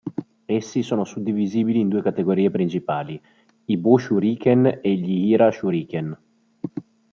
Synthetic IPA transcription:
esːisoːnosud̪ːiviziːbiliːnd̪uːekat̪eɡoɾiːepɾint͡ʃipaːli | ibuʃuɾiːkeneʎihiɾaʃuɾiːken

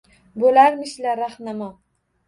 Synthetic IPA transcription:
bolaɾmɪʃlaɾaχnama

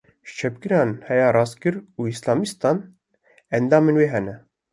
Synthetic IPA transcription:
ʃt͡ʃʰɛpɡɨɾɑːnhɛjaːɾɑːskɨɾuːislɑːmist̪ɑːn | ɛnd̪ɑːmeːnweːɦɛnɛ

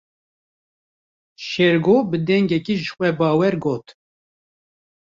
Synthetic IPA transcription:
ʃɛɾɡoːbɨd̪ɛŋɡɛkiːʒɨxʷɛbɑːwɛɾɡoːt̪

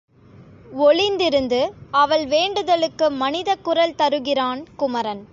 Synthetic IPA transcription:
ɔɭɪnd̪ɪɾɯnd̪ɯɐʋɐɭʋeːɳɖɯðɐɭɯkːɯmɐnɪðɐkːʊɾɐlt̪ɐɾɯɣɪraːnkʊmɐɾɐn

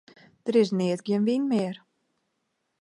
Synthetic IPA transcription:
d̥əɾɪsnɪətɡjɪənʋinmɪər

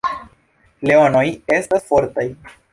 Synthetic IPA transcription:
leonojestasfoɾt̪aj

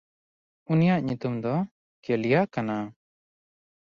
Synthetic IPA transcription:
unijaʔɲut̪umd̪ɔ | kɛlijakana

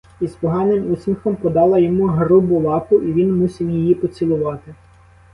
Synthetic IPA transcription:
ispɔɦɑnɪmusmʲixɔmpɔd̪ɑlˠɐjɔmuɦɾubʊlˠɑpʊʔiʋʲinmusʲiwjɪjipɔt͡sʲilˠʊʋɑt̪ɪ

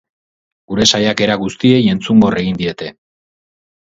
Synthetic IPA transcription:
ɡ̥uɾe̞sajake̞ɾaɣust̪ie̞je̞nt͡suŋɡo̞re̞ɣind̪ie̞t̪e̞

